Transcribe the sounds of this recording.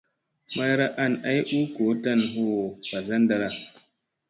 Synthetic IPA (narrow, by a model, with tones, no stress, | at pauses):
ma˦jɾa˦ʔa˦˨nʔa˦jʔu˦ko˨˦ta˦nɦo˦˨pa˨za˦nda˨ɾa˦˨